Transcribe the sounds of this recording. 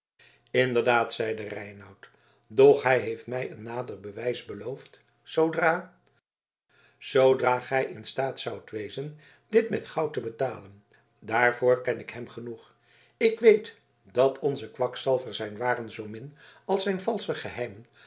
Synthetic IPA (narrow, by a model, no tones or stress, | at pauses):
ɪndəɹdaːtsɛjdərɛjnɑwt | dɔχɦɛjɦejftmɛjənːaːdərbəʋɛjzbəlowft | sowdraː | z̥owdraːχɛjʔɪnstaːtsʌwtʋejzən | dɪtmɛtχɑwtəbətaːlən | daːɹvʊːɹkɛnɪkɦɛmχənuχ | ɪkʋejt | d̥ɑtʰɔnzəkʋɑksɛlˠvəɹzɛjnʋaːrənzowmɪn | ɑlˠsɛjnvɑlˠsəχəɦɛjmən